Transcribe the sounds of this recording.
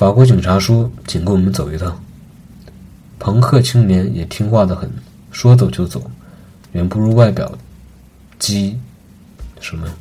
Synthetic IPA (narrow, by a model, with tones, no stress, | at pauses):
fa˨˩kwɔ˧˥t͡ɕi˨˩ŋʈ͡ʂʰa˧˥ʂu˥t͡ɕʰi˨˩ŋke˥wɔ˨˩mə˦nt͡so˨˩ʊy˧˥t̪ʰa˥˩ | pʰɤ˧˥ŋkʰɤ˥˩t͡ɕʰi˥ŋnjɛ˧˥njɛ˨˩t̪ʰi˥ŋxwa˥˩d̪ə˩xə˨˩n | ʂwɔ˥t͡so˨˩ʊt͡ɕjo˥˩ʊt͡so˨˩˦ʊ | ɥɛ˧˥npu˧˥ɻu˥wa˥˩ɪpjɑ̰˨˩ʊ | t͡ɕi˥ | ʂɻ̩˥˩mə˨˩